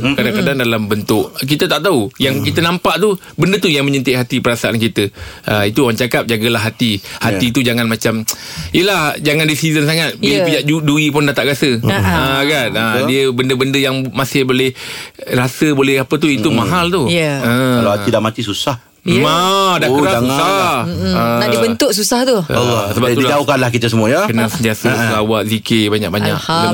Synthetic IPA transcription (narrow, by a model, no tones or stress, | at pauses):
kadaŋkadaŋdalambənt̪ʊʔk̬it̪ət̪aʔt̪aujaŋkit̪ənampaʔt̪u | bəndət̪ujaŋməɲənt̪ɪʔɦat̪ipəɾasaʔankit̪əəit̪uwant͡ʃakap̚d͡ʒaɡəlaɦːat̪ihat̪it̪ud͡ʒaŋanmat͡ʃamijəlahd͡ʒaŋandisizənsaŋat̪̚bipid͡ʒaʔd͡ʒuduipʊndat̪aʔɡasəəɡanədiəbəndəbəndəjaŋmasɪhbolɛhrasəbolɛhapət̪̬uit̪umaɦalt̪ujəəalahatidaʔmat̪isusah | adakəɾaaŋa | ənaʔdibənt̪ʊʔsusaht̪ulsəbap̪uilad͡ʒaokanlahkit̪əs̬əmuajakənaŋsənt̪asəsəlawat̪̚zikebaɲa̰k̚baɲa̰k